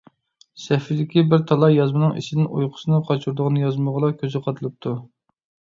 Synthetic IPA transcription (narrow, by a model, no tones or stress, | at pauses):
sɛfid̪ɪkʲibɪɾt̪ʰɑlˠɑjɑzmɨnɨŋḭʃɪd̪ɪnʔṵjqʰʊ̥sɨnɨqʰɑt͡ʃʰuɾd̪ʊʁənɨjɑzməʁəlˠɑkʲʰøzɪqʰɑt̪ʰɨlˠɨp̚t̪ʰu